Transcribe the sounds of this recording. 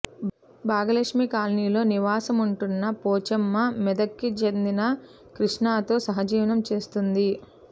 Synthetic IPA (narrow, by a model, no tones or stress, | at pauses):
baːɡɐlɐkʂmikaːlniːlo̞ːniʋaːsɐmuɳʈunːɐpoːt͡ʃɐmːɐmɛd̪ɐkːit͡ʃend̪inɐ | kɾiʂɳaːt̪o̞ːsɐɦɐd͡ʒiːʋɐnɐmt͡ʃe̞ːst̪und̪i